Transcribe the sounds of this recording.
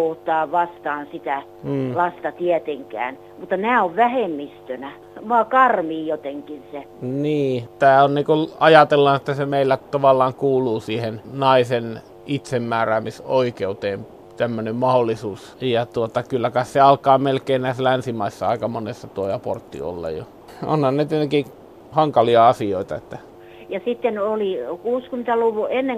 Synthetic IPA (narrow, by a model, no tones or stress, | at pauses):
oht̪ɑːʋɑst̪ɑːnsit̪æː | lɑst̪ɑt̪iet̪eŋkæ̰ːn | mut̪ːɑnæːoʋʋæhemːist̪ønæ | ʋoɑkɑrmiːjot̪eŋkinse | niːt̪æːonniːkulɑjɑt̪elːɑːnet̪ːæsemeˑilːæt̪ɑʋɑlːˑɑːŋkuːluːsiːhennɑisen | it̪semːæːræːmisoikeut̪eːm | t̪æmːønemmɑholːˑisuːs | jɑt̪uot̪ɑkylːækɑisseɑlkˑɑːmelkˑeːnnæˑisælænsimɑisːɑɑˑikɑmonesːɑt̪uojɑpo̰rt̪ːḭo̰lːɑ̰jo̰ | ʔo̰nhɑnnet̪enæki | hɑŋkɑliɑɑsioit̪ɑet̪ːæ | jɑsit̪ːenolikuːskyment̪æluʋuenːe